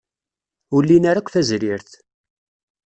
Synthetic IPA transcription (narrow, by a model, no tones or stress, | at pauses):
ulːinaɾakʷːθæzɾiɾθ